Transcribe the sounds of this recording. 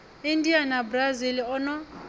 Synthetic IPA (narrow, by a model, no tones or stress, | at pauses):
ɪn̩dianabraziliɔnɔ